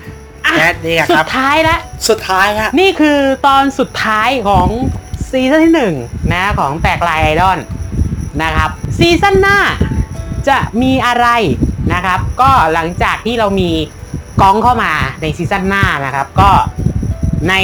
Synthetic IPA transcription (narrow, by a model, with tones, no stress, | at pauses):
ʔa˨˩iː˧˩su˨˦t̪ʰːaː˦˥jlɛ˦˥ʔsu˨˩t̪ʰaː˦˥jkʰa˦˥ʔniː˥˩kʰɯː˧t̪ɔː˧nsu˨˩t̪ʰːaː˦˥jkʰɔː˩˦ŋsiː˧˥sa˥nt̪ʰiː˥˩nɯ˨˩ŋna˦kʰɔː˩˦ŋt̪ɛː˨˩k̚laː˧jʔa˧jdɔː˥˩nː | na˦˥kʰa˦˥p̚siː˧sa˥˩nːaː˥˩ | t͡ɕa˨˩ʔmiː˧ʔa˧ɾa˧jna˦˥kʰa˦˥p̚kɔː˥˩la˩˦ŋt͡ɕaː˨˩k̚t̪ʰiː˥˩ɾa˧wmiː˧kɔ˦˥ŋkʰa˥˩wmaː˧na˧jsiː˧sa˥˩nːaː˥˩na˦˥kʰɾa˦˥p̚kɔː˥˩ | na˧j